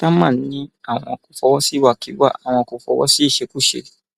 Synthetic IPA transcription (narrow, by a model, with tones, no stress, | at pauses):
ta˦mãː˦˨n˦nĩ˦a˦˨w̃ɔ̃˧ku˦fɔ˧wɔ˦si˦˨wa˨kʰi˨˦wa̰˦˨ʔa˨w̃ɔ̃˧ku˧fɔ̰˧wɔ̰˦si˦i˦˨ʃe˧ku˦˨ʃḛ˧